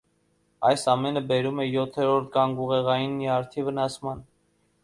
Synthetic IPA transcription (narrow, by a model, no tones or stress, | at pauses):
ɑjsɑmɛnəbɛɾumɛjɔt̪ʰɛɾɔɾt̪̚ʰɡɑŋɡuʁɛʁɑjinːiɑɾt̪ʰivənɑsmɑn